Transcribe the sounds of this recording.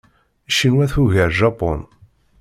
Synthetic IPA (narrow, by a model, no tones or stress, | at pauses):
ʃinwæθuʝiɾʒɑpo̰n